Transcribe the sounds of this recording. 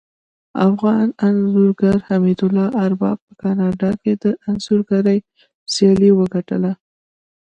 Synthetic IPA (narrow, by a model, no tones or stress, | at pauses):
a̰fɣɑnanzuɾɡaɾhamid̪ʊlɑʔaɾbɑb̚pəkɑnɑɖɑked̪əʔanzuɾɡaɾaj | sjɑliwəɡaʈəla